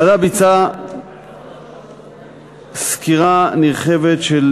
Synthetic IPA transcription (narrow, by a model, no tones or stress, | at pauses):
adabit͡sa | skiʁaniʁχevetʃel